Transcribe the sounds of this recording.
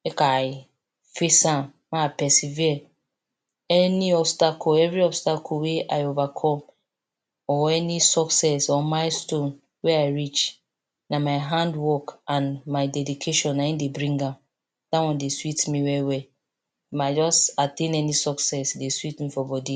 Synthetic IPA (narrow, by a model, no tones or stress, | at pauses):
ekaaɪ | fesãm | maapɛsiviɛ | ɛniɔbstakʰɔɛvɹiɔbstakʰɔweʔaɪovakʰɔ̃m | ɔɛnisɔksɛsɔmaɪstõn | wɛaɪɹit͡ʃ | namaɪɦãndwɔkãnmaɪdɛdikʰeʃɔ̃nːaĩndebɹĩŋɡãm | d̥awɔ̃ndeswitmiwɛwɛ | mad͡ʒɔsatẽnɛnisɔksɛsdeswitmifɔbɔdi